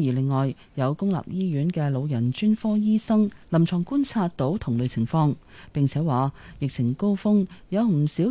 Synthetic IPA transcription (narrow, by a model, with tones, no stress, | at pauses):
jiː˨˩lɪ˨ŋːɔː˨j | jɐ˨˧wkʊ˥ŋla̰ː˨p̚jiː˥jyː˨˥nkɛː˧lo˨˧wjɐ˨˩nt͡ʃyː˥nfɔː˥jiː˥sɐ˥ŋlɐ˨˩mt͡sʰɔː˨˩ŋkuː˥nt͡sʰaː˧t̚t̪o˨˥wt̪ʰʊ˨˩ŋlɵ˨˧jt͡sʰɪ˨˩ŋfɔː˧ŋ | pɪ˨ŋt͡sʰɛː˨˥waː˨jɪ˨k̚t͡sʰɪ˨˩ŋko˥wfʊ˥ŋjɐ˨˧wm̩˨˩siː˨˥